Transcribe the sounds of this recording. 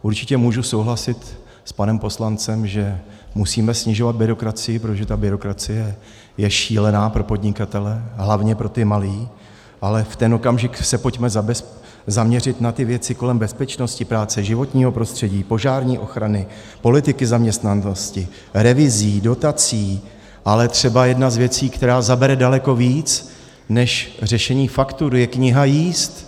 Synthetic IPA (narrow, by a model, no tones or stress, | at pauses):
ʔuɾt͡ʃɪcɛmuːʒuso̞wɦlasɪt̪ | spanɛmpo̞slant͡sɛmʒɛmusiːmɛsɲɪʒo̞vad̪̚bɪɾo̞kɾat͡sɪjɪp̬ɾot̪oʒɛt̪abɪɾo̞kɾat͡sɪjɛ | jɛʃiːlɛnaːpɾo̞po̞dɲɪkat̪ɛlɛɦlavɲɛpɾo̞t̪ɪmaliː | ʔalɛft̪ɛno̞kamʒɪksɛpo̞cmɛzabɛ | zamɲɛrɪt̪nat̪ɪvjɛt͡sɪko̞lɛmbɛspɛt͡ʃno̞scɪpɾaːt͡sɛʒɪvo̞t̪ɲiːɦo̞pɾo̞st̪r̝̥ɛɟiːpo̞ʒaːɾɲiːʔo̞xɾanɪ | po̞lɪt̪ɪkɪzamɲɛst̪nanoscɪ | ɾɛvɪziːdo̞t̪at͡siː | ʔalɛt̪r̝̥ɛbajɛdnazvjɛt͡siːkt̪ɛɾaːzabɛɾɛdalɛko̞viːt͡s | nɛʃrɛʃɛɲiːfakt̪uɾjɛkɲɪɦajiːst̪